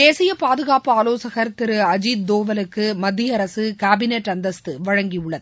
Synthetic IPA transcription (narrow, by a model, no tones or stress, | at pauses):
eːsɪjɐpaːðɯɣaːpːɯaːloːsɐɣɐɾt̪ɪɾɯɐd͡ʒiːd̪̚d̪oːʋɐlɯkːɯmɐd̪ːɪjɐɾɐsɯkaːbɪneʈːɐnd̪ɐst̪ɯʋɐɻɐŋɡiɯɭːɐðɯ